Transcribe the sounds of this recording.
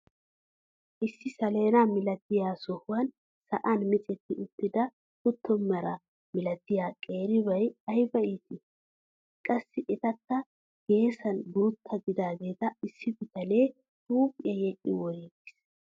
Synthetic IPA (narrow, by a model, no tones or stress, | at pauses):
ʔɪsːɪsɐle̞ːnamɪlɐt̪ːɪjaːsɔhʊwɐn | sɐ̰ʔɐnmɪt͡sʼɛt̪ːɪʊt̪ːɪd̪ɐ | hʊt̪ʰːɔmːɐɾɐ | mɪlɐt̪ːɪjaːkʼe̞ːɾɪbɐjɐjbɐʔit̪ɪ | kʼɐsːɪʔɛt̪ɐkːɐ | ɡ̥e̞ːsɐnɡʊɾʊt̪ʰːɐɡɪd̪aːɡe̞ːt̪ɐɪsːɪbɪt̪ɐleː | tuːpʼɪjɐjɛʔɪ̰wɔjeɡɪ̥s